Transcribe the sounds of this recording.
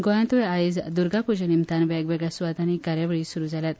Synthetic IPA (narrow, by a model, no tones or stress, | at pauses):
ɡojãnt̪uaid͡zd̪uɾɡapud͡ʑənimt̪anʋaɡʋɛɡɭasuʋat̪anikaɾjaʋəɭiːsuɾuːd͡zʱaljat̪̚